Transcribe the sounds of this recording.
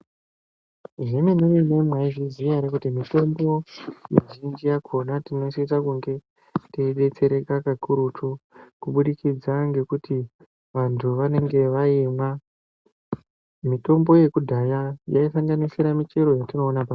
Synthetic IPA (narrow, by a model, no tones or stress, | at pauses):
ʐemenoinemwaiʐizijaɾekutimito̞mbo̞jḛʒind͡ʒijakʰonatino̞siisakuŋɡe̞ | teɗe̞t͡se̞ɾe̞kakakʰuɾutokuɓuɗikid͡zaŋɡe̞kuti | ʋantʰuʋane̞ŋɡe̞ʋaema | mito̞mbo̞je̞kudʱajajaifaŋɡaniseɾamit͡ʃe̞ɾo̞jatino̞ːnapa